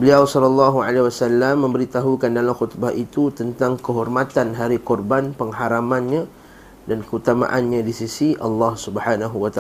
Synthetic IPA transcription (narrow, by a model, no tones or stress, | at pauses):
bəliawsɔlɔlːɑɦua̰lewasalːamːə̃mbəɾit̪aɦukandalamxut̪bahʔit̪ut̪ənt̪aŋkəɦɔrmat̪anɦaɾikɔrbanpəŋɦaɾamanɲa | dankəut̪ama̰ʔanɲadisisiʔɑ̰lːɑhsubhanaɦuwat̪a